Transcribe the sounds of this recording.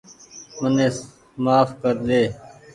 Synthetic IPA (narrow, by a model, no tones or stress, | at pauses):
məneːs | maːfkəɾd̪eː